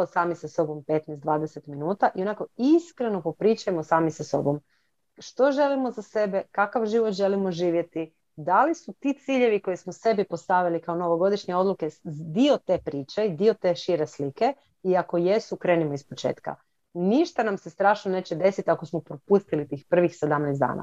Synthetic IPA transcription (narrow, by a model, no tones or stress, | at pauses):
osaːmisaso̞bo̞mpe̞t̪nɛsd̪ʋaːd̪ese̞t̪minuːt̪aʔio̞nako̞iskɾe̞no̞po̞pɾiːt͡ʃujemo̞saːmisaso̞̰bo̞m | ʃt̪o̞ʒe̞limo̞zase̞be̞kakaʋʒiʋot̪ʒe̞limo̞ʒiːʋje̞t̪i | d̪alisut̪iːt̪siʎe̞ʋikojesmose̞bipo̞st̪aʋilikaonoʋo̞ɡo̞d̪iʃɲe̞o̞d̪lˠuke̞d̪io̞t̪e̞ːpɾiːt͡ɕeid̪io̞t̪e̞ːʃiɾe̞slike̞ | iako̞je̞sukɾe̞ːnimoispo̞t͡ʃe̞̰ːt̪ka̰ | niʃt̪anamse̞st̪ɾaːʃnone̞ːt͡ɕed̪e̞sit̪ako̞smopɾopust̪ilit̪iːxpr̩ʋixsed̪amnɛsd̪a̰ːna̰